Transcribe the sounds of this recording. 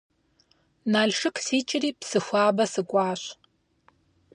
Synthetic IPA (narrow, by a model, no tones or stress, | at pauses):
naːɮʂɨkʰsiːt͡ʃʼɪriːpsɨxʷaːbɐsɨkʷʼɑːɕ